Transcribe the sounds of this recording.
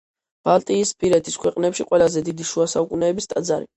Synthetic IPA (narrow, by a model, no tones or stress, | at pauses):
b̥alˠt̪ʼiːspʼiɾɛt̪ʰiskʰwɛqʼnɛpʃiqʼwɛlazɛd̪id̪iʃuasaukʼunɛːbist̪ʼad̪zaɾḭ